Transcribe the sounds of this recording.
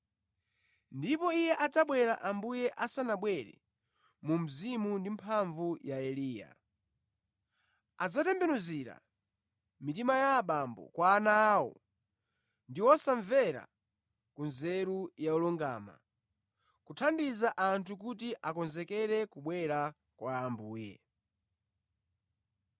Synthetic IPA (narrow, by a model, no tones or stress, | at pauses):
ndipɔijɛʔad͡zaɓwɛɾaʔambujɛʔasanaɓwɛɾɛ̰ | mum̩zimundimpʰaɱvujaɛliːja̰ | ad͡zatɛmbɛnuziɾa̰ | mit̬imajaɓambɔ̰kwaːnaːwɔ̰ | ndiwɔsaɱvɛɾa̰ | kunzɛɾujaulɔŋɡa̰ːma̰ | kutʰandizaʔantʰuk̬ut̬iʔakɔnzɛkɛɾɛkuɓwɛɾa | kwaːmbuːjɛ̰